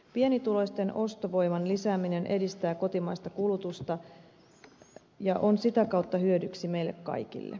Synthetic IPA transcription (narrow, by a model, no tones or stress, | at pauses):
pie̞nit̪ulo̞jst̪e̞nʔo̞st̪oʋo̞jmɑnlisæːmine̞nʔe̞dist̪æːko̞t̪imɑjst̪ɑkulut̪ust̪ɑ | jɑʔo̞nsit̪ækɑwt̪ːɑhyødyksime̞ilːe̞kkɑ̰jkḭlːḛ